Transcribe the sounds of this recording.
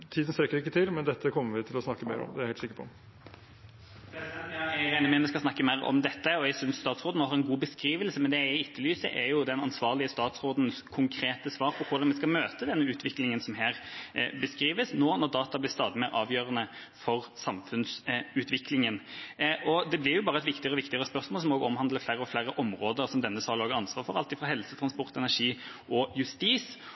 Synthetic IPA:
t̪ʰiːd̪ən̩st̪ɾɛkːəɾɪkːət̪ʰɪlmɛnd̪ɛt̪ːəkʰɔmːəɾʋɪt̪ʰɪlɔsnɑkːəmeɪɾɔ̰md̪ɛæɾhɛɪlsɪkəpʰɔ | æeːnəmɛnʋɛskɑsnɑkːəmæɪɾɔ̰md̪ɛt̪ːəɔɛɡsʏnsst̪ɑːt̪sʁoːd̪nːhɑɾɛnɡuːbəskɾiːʋəlsəmɛnd̪ɛæɪɪt̪ːəlyːsə̰ʔɛjʊd̪ɛnɑnsʋɑːʁlɪəst̪ɑːt̪sɾoːd̪n̩skʰʊŋkʰɾeːt̪əsʋɑːɾpʰɔkʰʊd̪ɑnmɛskɑmøːt̪əd̪ɛnːəʉːt̪ʰʋɪklɪŋənsɔmɦæːɾbəskɾiːʋəsnoːnɔɾd̪ɑːt̪ɑblɪɾst̪ɑːd̪ɪmeːɾɑːʋjøːɾənə | fɔʁsɑmfʉnsʉːt̪ʋɪklɪŋənʔɔd̪ɛblɪɾjʊbɑːʁəɛt̪ʋɪkt̪ɪəɾɔʋɪkt̪ɪəɾəspœɾsmoːlsɔmoːɡɔmhɑnləflæɾəɔflæɾəʔɔmɾoːd̪əɾsɔmd̪ɛnːəsɑːloːɡəɾɑnsʋɑːɾfɔɾɑlt̪ɪfɑɦɛlsət̪ʰɾɑnspɔɾt̪ɛnæʂiːʔɔjʉst̪iːs

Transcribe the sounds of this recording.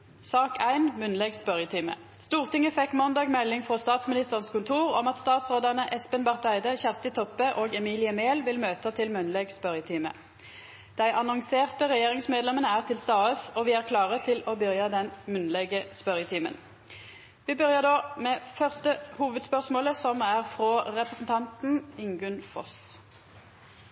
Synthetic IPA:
sɑːkʰæɪnmʉnlɛɡspœʁjət̪ʰɪːmə̰ | st̪uːʁt̪ɪŋːəfɛkːmɑnd̪ɑːɡmɛlːɪŋfʁɔst̪ɑːt̪smɪnɪst̪əʁənskʊnt̪ʰuːʁɔmɑt̪st̪ɑːt̪sʁoːd̪ɑnəʔɛspənbɑʁt̪æɪd̪əçæʁst̪ɪt̪ʰɔpːəʔoːɡɛmiːlɪəmeːlʋɪlmøːt̪ət̪ʰɪlmʉnlɛɡspœʁjət̪ʰimə̰ | d̪̥æɪʔɑnɔŋseːʁt̪əʁɛjeːʁɪŋsmeːd̪lɛmənəæːʁt̪ʰɪlst̪ɑːəsɔʋɪːæːʁkʰlɑːʁət̪ʰɪlɔbœʁjɑd̪ɛnmʉnlɛɡəspœʁjət̪ʰiːmə̰n | ʋiːbœʁjəd̪oːmeːfœʁst̪əhuːʋəd̪spœʁsmoːləsɔmæʁfʁoːʁɛpʁəsn̩t̪ʰɑnt̪n̩ɪŋɡʉnfɔ̰s

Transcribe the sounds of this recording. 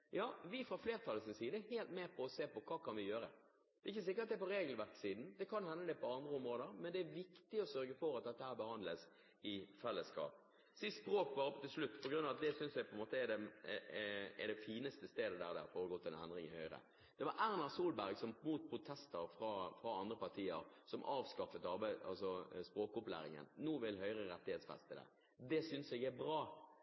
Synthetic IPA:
jɑːʋɪfɾɑfleːɾt̪ʰɑlːəsɪnsiːd̪əheːlt̪meːpʰɔɔseːpɔkʰɑːkʰɑnʋɪjøːɾə | d̪ɛɪçːəs̬ɪkːəɾɑt̪d̪ɛæɾpɔɾeːɡlʋæɾksiːd̪n̩d̪ɛkʰɑnhɛnːəd̪ɛpʰɔɑnd̪ɾəɔmɾoːd̪əɾmɛnd̪ɛæɾʋɪkt̪ɪɔsœɾɡəfɔɾɑt̪̚d̪ɛt̪ːəhæːɾbəhɑnd̪ləs | ɪfɛlːəskʰɑ̰ːp | sɪspɾoːk̚bɑːɾɔpːt̪ɪlslʉt̪ːpʰɔɡɾʉnːɑʋɑt̪d̪ɛsʏnsʋæɪpʰɔɛnmoːt̪əɛd̪ɛ | ɛ̰d̪ɛfiːnəst̪əst̪eːd̪əd̪æːɾd̪æ̰fɔːɾəɡɔt̪ːɛɛnd̪ʁɪŋɪhœʏɾə̰ | d̪̥ɛʋɑɾʔæɾnɑʁsuːlbæɾɡsɔmmuːt̪̚pʰɾʊt̪ʰɛst̪əɾfɾɑfɾɑɑnd̪ɾəpɑʁt̪ʰiːəɾsɔmʔɑːʋskɑfət̪ɑɾbɑ̰lsɔspɾoːkʊplæ̰ːɾɪ̰ŋə̰nnuːʋɪlɦœʏɾəɾɛt̪ːɪheːt̪sfɛ̰st̪əd̪ɛ̰ | d̪ɛsʏnsɛɡæɾbɾɑː

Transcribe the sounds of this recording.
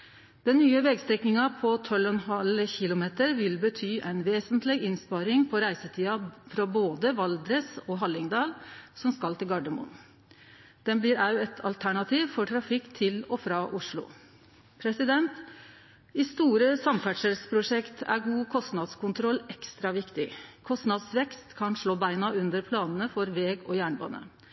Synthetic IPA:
d̪̥ɛnːyːəʋɛɡst̪ɾɛknɪŋɑpʰɔt̪ʰɔlɔnɦɑlçɪlʊmeːt̪əɾʋɪlbət̪ʰyːʔæɪnʋeːsənt̪ʰlɪɡɪnspɑɾɪŋpʰɔɾæɪsət̪ʰiːɑfɾɑboːd̪əʋɑld̪ɾəsɔɦɑlːɪŋd̪ɑːlsɔmskɑlt̪ɪlɡɑɖəmʊ̰n | d̪̥ɛnbliːɾɑʉɛt̪ʰɑlt̪ʰæɳɑt̪ʰiːʋfɔʈʰɾɑfɪkːt̪ʰɪlɔfɾɑːʔʊʂɭʊ̰ | pʰɾɛsɪd̪ɛnt̪ | ɪst̪uːɾəsɑmfæʈʂəlspʰɾʊʂɛkt̪ʰæ̰ɾɡuːkʰɔst̪nɑd̪skʊnt̪ʰɾɔlɛkst̪ɾɑʋɪkt̪ɪkʰɔst̪nɑd̪sʋɛkst̪kʰɑnʂɭoːbæɪnɑʉnd̪əɾpʰlɑːnənəfɔɾʋɛːɡɔjæːɳbɑ̰ːnə̰

